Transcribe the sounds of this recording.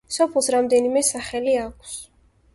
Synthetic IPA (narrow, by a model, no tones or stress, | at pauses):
sɔpʰlˠsɾamd̪ɛnimɛsaχɛliakʷʰs